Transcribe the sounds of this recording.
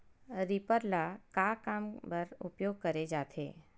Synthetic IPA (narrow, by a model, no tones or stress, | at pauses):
ɾipəɾlakaːkaːmbəɾʊpjoːɡ̚kəɾed͡ʒaːt̪ʰḛː